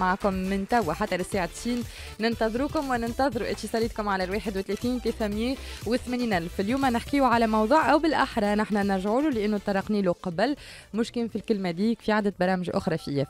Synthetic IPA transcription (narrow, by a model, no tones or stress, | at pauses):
aʕaːkʊmːɪnt̪æwːaħat̪ːælɪsːeːʕat̪ːsiːnː | ɪnt̪ɑðˤɾuːkʊmwɪnɪnt̪ɑðˤɾuʔæ̰t̪isˤɑɾiːt̪̚kʊmʕalælweːħɪd̪wɪt̪ːleθiːnt̪leːθæmjewɪθmæniːnʔælfɪljuːmænɪħkɪjuʕalæmɑwðˤuːʕʔæwbɪlʔaħɾˤɑnaħnænæɾʒʕuːlulɪʔænːut̪ˤːɑɾˤɑqniːluqɑblmʊʃkɛnfilkɪlmæd̪iːkfiʕaːd̪æt̪̚bɑɾˤɑːmɪʒʔʊ̰xɾˤɑfiʔjːɛːf